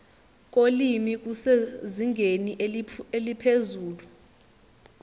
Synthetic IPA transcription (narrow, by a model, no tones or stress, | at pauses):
k̬ʼolimik̬useziŋɡʱeniʔelipʰezuːlu